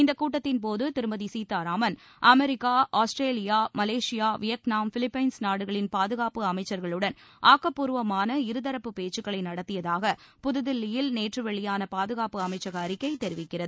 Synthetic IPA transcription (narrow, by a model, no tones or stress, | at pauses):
ɪnd̪ɐkːuːʈːɐt̪ːɪnpoːðɯt̪ɪɾɯmɐðisiːt̪ːaːɾaːmɐn | ʔɐmɛɾɪkːaːʔaːsʈɾeːlɪjaːmɐleːʂɪjaːʋɪjɐknaːmfɪlɪpːɐɪnsnaːɽɯɣɐɭɪnpaːðɯɣaːpɯɐmɐɪt͡ʃːɐɾɣɐɭɯɽɐnʔaːkːɐpːuːɾɯʋɐmaːnɐɪɾɯðɐɾɐpːɯpeːt͡ʃːɯkːɐɭɐɪnɐɽɐt̪ːɪjɐðaːɣɐpʊðɯðɪlːɪjɪlneːʈrɯʋɛɭɪjaːnɐpaːðɯɣaːpɯɐmɐɪt͡ʃːɐɣɐɐɾɪkːɐɪt̪ɛɾɪʋɪkːɪrɐðɯ